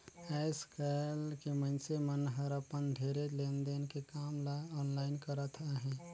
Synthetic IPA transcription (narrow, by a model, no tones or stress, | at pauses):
aːɪskalkemə̃nsemənɦəɾəpənd̪ʱeːɾeleːnd̪enkekaːmlaɔːnlaːɪnkəɾət̪ʰaɦɛ̃ː